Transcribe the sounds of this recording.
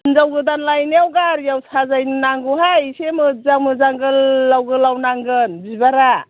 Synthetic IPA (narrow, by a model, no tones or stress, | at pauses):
nzawɡɯdanlajniawɡaɾjawsʰazajnɯnaŋɡuɦajsemɯzaŋmɯzaŋɡɯlːawɡɯlawnaŋɡɯnbibaɾa